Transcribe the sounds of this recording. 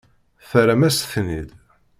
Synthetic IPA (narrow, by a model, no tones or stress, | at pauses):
θəɾæmæsθnid̪